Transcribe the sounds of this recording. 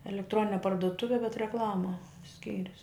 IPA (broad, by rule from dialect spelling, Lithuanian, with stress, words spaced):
ɛlʲɛkˈtroːnʲɪnʲɛ pɐrdʊˈtʊʋʲɛ bʲɛt rʲɛˈklˠɑːmɐ ˈsʲkʲiːrʲʊs